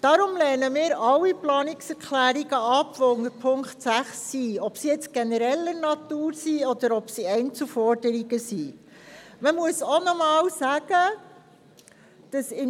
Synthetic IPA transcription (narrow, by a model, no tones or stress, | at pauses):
d̥ɑɾʊmlɛːnəmɪːɾɑlːiplɑːnɪksɛɾkʰlæːɾiɡəɑpʋɔʊŋəɾpʰʊŋkχtsæχsiɔpsijɛt͡sɡ̥enəɾɛlənɑt̪uːɾsiɔd̪̥əɾɔpsiɛɪnt͡sufɔɾdəɾiɡəsiː | məmuəsɔnɔmɑːlsæɡ̥ə | d̥ɑsɪn